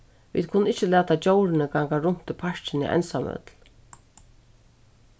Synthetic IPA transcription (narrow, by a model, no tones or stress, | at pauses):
vḭːd̪̚kʰʊnːɪht͡ʃːəlæːt̪at͡ɕowɾɪnɪɡaŋkaɾʊn̥t̪ʰːɪpʰaʂt͡ʃɪnḭʔɛ̰nsamœ̰t̪l